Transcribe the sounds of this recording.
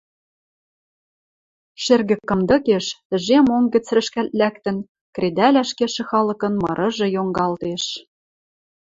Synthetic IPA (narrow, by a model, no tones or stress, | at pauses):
ʃĕrɣɘ̆kːɤ̆md̪ɤ̆keʃt̪ɘ̆ʒemoŋɡɘ̆t͡srɘ̆ʃkælt̪̚lækt̪ɘ̆n | kred̪ælæʃkeʃɘ̆xɑlɤ̆kɤ̆nmɤ̰̆ɾʔɤ̆ʒɤ̆joŋɡɑlt̪eʃ